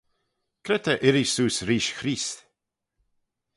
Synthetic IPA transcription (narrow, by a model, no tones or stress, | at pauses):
kʰɾɛt̪ʰəʔɪɾisuːsɾiːʃxɾiːs